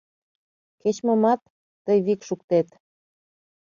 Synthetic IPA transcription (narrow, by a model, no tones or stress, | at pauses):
ket͡ɕməmɑt̪ː | əjβikʃuk̚t̪et̪